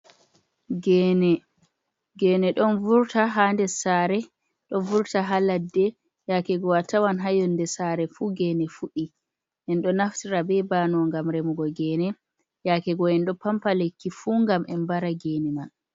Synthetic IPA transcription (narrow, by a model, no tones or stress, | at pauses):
ɡɛːnɛ | ɡɛːnɛɗɔnvuɾtaɦandɛsaɾɛ | ɗɔnvuɾtaɦaladːɛ | jakɛɡɔwatawanɦajɔnːdɛsaɾɛfuːɡɛnɛfuɗi | ʔɛnɗɔnaftiɾabɛbanɔŋɡamɾemuɡɔɡɛːnɛ | jakɛɡɔɛnɗɔpampalekːifuːŋɡamɛnbaɾaɡɛnɛma